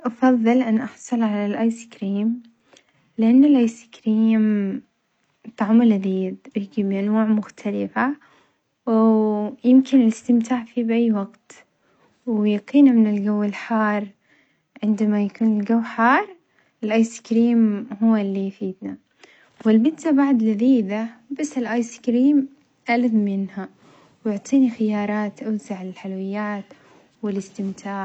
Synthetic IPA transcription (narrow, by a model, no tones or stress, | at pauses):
ʔɑfɑðˤːɨlʔanːʔɑħsˤɑlʕalalʔajsɪ̥kɾiːm | lɪʔanːɪlʔajsɪ̥kɾiːm | t̪ˤːɑʕmʊlad̪iːðjɪɡibiʔanwaːʕmʊxt̪ʰalɪfa | wjɪmkɪnɪlɪst̪ɪmt̪ʰaːʕfibʔajːwaɡt̪ | wjaqiːnamɪnɪlɡawːɪlħɑːrˤ | ʕɪnd̪amajakuːnɪlɡawːħɑːɾˤ | ɪlʔajskɾiːmɦʊwːalːijfiːd̪na | wɪlbɪd̪t̪abaʕd̪lɪðiːd̪abasːɪlʔajskɾiːm | ʔalad̪mɪnha | wjʊʕt̪ˤiːnixɪjɑːɾˤɑːt̪ʔawzaʕɪɪlħalwɪjːaːt̪ | wɪlɪst̪ɪmt̪ʰaːʕ